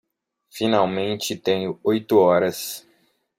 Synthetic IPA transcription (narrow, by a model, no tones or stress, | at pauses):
finawmẽnt͡ʃɪt̪ẽɲʊojt̪ʊɔɾɐs